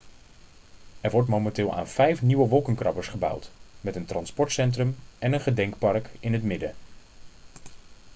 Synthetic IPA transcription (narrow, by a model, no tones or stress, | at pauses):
ɛɹʋɔɹtmowmɛntɪːlˠa̰ːnv̥ɛjfniwəʋɔlˠkəŋkrɑpəɹsχəbʌ̰wtmɛtəntrɑnspɔɹtsɛntrəmɛnənχədɛŋkpɑɹkɪnɦətmɪdə